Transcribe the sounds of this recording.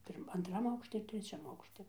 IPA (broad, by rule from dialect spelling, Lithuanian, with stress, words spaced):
ˈpʲɪrm ɐntˈrɐm ˈɐʊkʃʲtʲɪ ɪr tʲrʲɛˈt͡ʃʲɛm ˈɐʊkʃʲtʲɪ